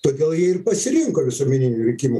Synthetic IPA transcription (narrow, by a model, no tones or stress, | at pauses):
t̪oːd̪ʲeːlˠjiɛɪrpɐsʲɪɾʲɪŋkoːʋʲɪsuɔmʲɪnʲɪnʲuɾʲɛkʲɪmʊ